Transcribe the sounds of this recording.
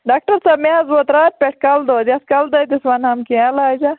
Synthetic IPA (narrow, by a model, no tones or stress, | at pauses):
ɖaːk̚ʈɐɾsɐbmeɐzbot̪ɾaːɾ̚pʲeʈkɐld̪oːd̪ʲɐskɐld̪ɐjd̪isʋɐnhɐmkiãlaːjd͡ʒɐ